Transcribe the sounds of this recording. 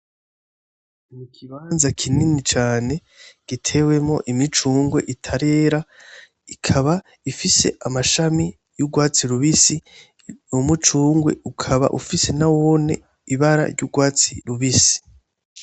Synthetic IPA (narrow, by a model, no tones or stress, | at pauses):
mukʰiβaːnzakʰininit͡ʃaːne̞ | ɡ̥itʰe̞ːwe̞mŋo̞̰ʔimit͡ʃuːŋɡwe̞̰ʔitʰaɾe̞ːɾa | ikʰaβa | ifise̞̰ʔamaʃami | juɡwaːt͡siɾuβisi | umut͡ʃuːŋɡwe̞̰ukʰaβa̰ʔufise̞nawone̞̰ | iβaɾa̰ɾɟuːɡwaːt͡sḭɾuβisi̥